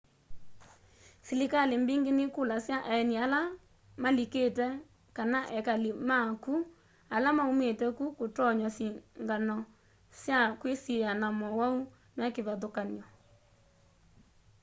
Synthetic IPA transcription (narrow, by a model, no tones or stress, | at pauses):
silikalembiŋɡenɪkulasjaʔaɛniala | maliketɛ | kanaʔɛkalimaku | alamaumetɛkukotɔɲɔsiŋɡanɔ | sjakwesijanamɔwau | mɛkeβaðokanjɔ